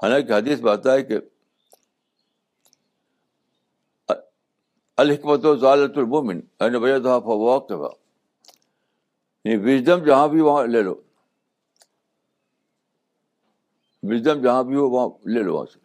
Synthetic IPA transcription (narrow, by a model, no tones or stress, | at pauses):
hɐlãːkiɦɐd̪iːsbaːt̪aːɦeke | ɐlhɪkmɐt̪ozaːlɐt̪ulmominɐːnebɐjat̪ɦapɐʋaːk̚t̪ɐfa̰ | niʋɪd͡ʒd̪ɐmd͡ʒɐɦãbʱiʋɐãleːlo̰ː | ʋɪd͡ʒd̪ɐmd͡ʒɐɦãbʱioʋɐãleːlo̰ːʋã̰ːse̥